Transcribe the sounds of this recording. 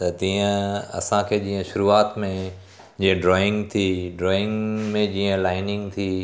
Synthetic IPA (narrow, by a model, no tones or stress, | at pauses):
t̪ɐt̪ĩːə̃ɐ̰sãkʰeːd͡ʑĩːə̃ʃʊɾuːaːt̪mẽ | d͡ʑĩːə̃ɖɾɔːɪ̃ŋɡt̪ʰiɖɾɔːɪ̃ŋɡmẽd͡ʑiːə̃laːɪnɪ̃ŋɡt̪ʰiː